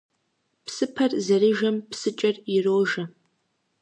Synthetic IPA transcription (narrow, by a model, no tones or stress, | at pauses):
psɨpʰɐrzɐɾɨʒɐmpʰsɨt͡ʃʼɐriroːʒɐ